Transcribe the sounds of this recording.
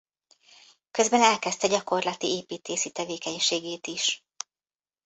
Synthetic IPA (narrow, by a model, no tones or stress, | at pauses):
køzbɛnɛlkɛst̪ɛɟɒko̞rlɒt̪ieːpiːt̪ʰeːʃit̪ɛveːkɛɲʃeːɡeːt̪iʃ